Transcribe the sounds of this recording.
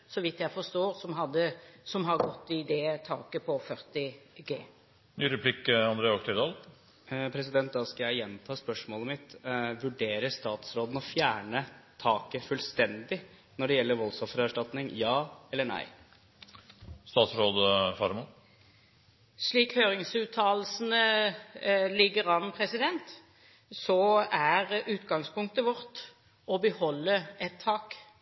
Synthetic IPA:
sɔʋɪt̪jæɪfɔst̪oːɾsɔmɦɑd̪ːəsɔmɦɑɾɡɔt̪ːɪd̪ɛt̪ʰɑːkəpʰɔfœɾt̪ɪɡeː | nyːɾɛpʰlɪkːɑnd̪ɾeːɔkt̪ɪɾd̪ɑːl | pʰɾɛsɪd̪ɛnt̪̚d̪ɑːskɑjæɪjɛnt̪ʰɑːspœʂmoːləmɪt̪ʋʉɖeːɾəst̪ɑːt̪sɾoːd̪n̩ɔfjæːɳət̪ʰɑːkəfʉːlst̪ɛnd̪ɪ | nɔɖɛjɛlːəɾʋɔlsɔfɾæʂʈɑt̪nɪŋjɑːɛlːəɳæ̰ɪ | st̪ɑːt̪sɾoːd̪əfɑɾmɑ | ʂɭiːkhøːʁɪŋsʉːt̪ʰːɑːl̩sn̩ə | lɪɡːəɾɑnpʰɾɛsɪd̪ɛnt̪ | sɔæɾʉːt̪ɡɑŋspʊŋk̚t̪əʋɔɾt̪ | ɔbəhɔlːəɛt̪ʰːɑːk

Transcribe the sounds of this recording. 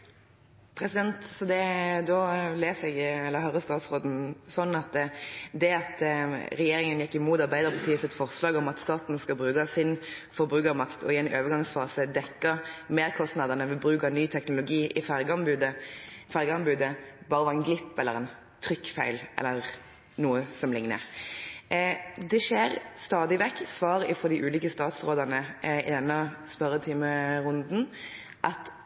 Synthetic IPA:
pʰɾɛsɪd̪ɛnt̪sɔd̪ɛd̪ɔleːsɛɡɛlːəɾɦœɾəst̪ɑːt̪sʁoːd̪n̩sɔnːɑt̪d̪ɛɑt̪ɾɛjeːɾɪŋənjɛkːɪmuːt̪ɑʁbæɪd̪əɾpʰɑt̪ʰiːəsɪt̪fɔʁslɑːɡɔmɑt̪st̪ɑːt̪nskɑlbɾʉːkɑsɪn | fɔʁbʁʉːkɑmɑkt̪ʰɔ̰ɪæɪnʔøːʋəɾɡɑŋsfɑːsəd̪ɛkːəɾmeːɾkʰɔst̪nɑd̪ənəʋɪbɾʉːkɑnyːt̪ʰɛknʊlʊɡiːʔɪfæʁɡɑmbʉːd̪əfæɾɡəɑnbʉːd̪əbɑːɾəʋɑʁɛnɡlɪpːɛlːəɾɛn | t̪ʰɾʏkːfæɪlʔɛ̰lːəʁ | nuːəsɔmlɪŋnə̰ɾ | d̪ɛʃeːɾst̪ɑːd̪ɪʋɛkːsʋɑːɾəɪfɔd̪ɪʔʉːliːkəst̪ɑːt̪sʁoːd̪ɑnəɪ̰d̪ɛnːəspœɾət̪ʰɪməʁʊnd̪n̩ | ʔɑt̪

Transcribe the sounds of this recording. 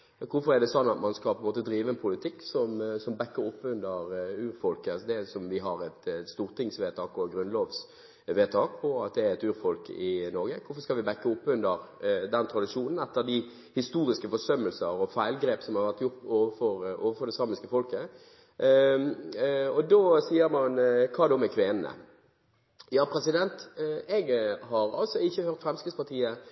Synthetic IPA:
kʰʊfɔʁɛd̪ɛsɔnːɑt̪mɑnskɑlpʰɔɛnmoːt̪əd̪ɾiːʋəɛnpʰʊlɪt̪ʰɪkːsɔmsɔmbɛkːəʊpːʉnd̪əɾʉːɾfɔlkəɑsɔd̪ɛsɔmʋɪɦɑɾɛt̪st̪uːɾt̪ʰɪŋsʋeːt̪ʰɑːkɔɡɾʉnloːʋs | ʋeːt̪ʰɑːk̚pʰɔɑt̪̚d̪ɛæɾɛt̪ʉːɾfɔlkɪnɔɾɡəkʰʊfɔskɑlʋɪbɛkːəʊpːʉnd̪əɾd̪ɛnt̪ʰɾɑd̪ɪʂuːnn̩ɛt̪ːəd̪ɪ | hɪst̪uːɾɪskəfɔʂœmːəlsəɾɔfæɪlɡɾeːpsɔmhɑɾʋæʁt̪jʊʁt̪oːʋəfɔɾoːʋəɾfɔɾd̪ɛsɑːmɪskəfɔlkə | ɔd̪oːsiːəɾmɑnkʰɑːd̪ɔmɛkʰʋeːnənə̰ | jɑːpʰɾɛsɪd̪ɛnt̪ɛɡhɑɾɑ̰lt̪sɔɪçːəhøːʁt̪fɾɛmskɪspɑʁt̪ʰiːə

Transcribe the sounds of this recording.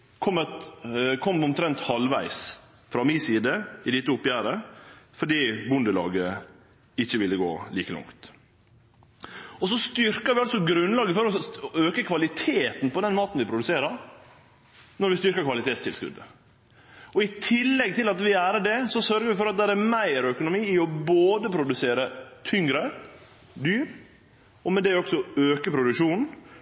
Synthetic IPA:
kʰɔmət̪kʰɔmːɔmt̪ʰɾɛnt̪hɑlʋæ̰ɪs | fɾɑmisiːd̪əɪd̪ɪt̪uːʊpːjæːɾəfɔɖiːbʊnd̪əlɑ̰ːɡə | ɪçːəʋɪlːəɡo̰ːliːkəlʊ̰ŋkt̪ | ɔsɔst̪ʏɾkəɾʋɪɑlsɔɡɾʉnːlɑːɡəfɔɾɔøːkəkʰʋɑlɪt̪ʰeːt̪npɔd̪ɛnmɑːt̪n̩ʋɪpʰɾʊd̪ʉseːɾɑɾ | nɔɾʋɪst̪ʏɾkəkʰʋɑlɪt̪ʰeːt̪st̪ʰɪlskʉ̰d̪ə | ɔɪt̪ʰɪlːɛɡ̚t̪ʰɪlɑt̪ʋɪæːɾəɖɛsɔsœɾɡəɾʋɪfɔɾɑt̪̚d̪æɾæɾmæɪɾœkʊnʊmiːɪɔboːd̪əpʰɾʊd̪ʉseːɾət̪ʰʏŋɾə | d̪yːɾ | ɔmɛd̪ɛɔksɔøːkəpʰɾʊd̪ʉkʃuːnn̩

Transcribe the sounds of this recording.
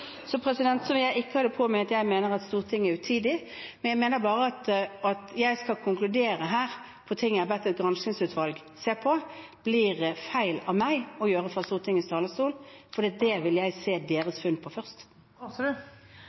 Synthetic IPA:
sɔpʰɾɛsɪd̪ɛnt̪sɔʋɪljæɪɪkːəhɑd̪ːəpʰɔmɛɑt̪jæɪmeːnəɾɑt̪st̪uːʁt̪ʰɪŋːæɾʉt̪ʰiːd̪ɪ | mɛnjæɪmeːnəbɑːʁəɑt̪ɑt̪jæɪskɑkʰʊŋklʉd̪eːɾəɦæːɾ | pʰɔt̪ʰɪŋːjæɑbɛt̪ːɛt̪̚ɡʁɑnʃɪŋsʉːt̪ʰʋɑlɡ | seːpʰɔb̥lɪʁfæɪlɑʋmæɪɔjøːɾəfɾɑst̪uːʁt̪ʰɪŋːst̪ʰɑːləst̪uːlfɔɾd̪iːɑt̪̚d̪ɛʋɪljæɪseːd̪eːɾəsfʉnpʰɔfœʁst̪

